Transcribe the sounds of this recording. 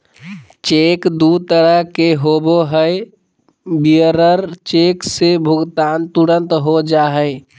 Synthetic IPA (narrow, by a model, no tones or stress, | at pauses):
t͡ʃekd̪ut̪əɾəkeɦoboɦəɪ | biəɾəɾt͡ʃeksebʱʊɡt̪aːnt̪uɾə̃nt̪ɦod͡ʒaɦəɪ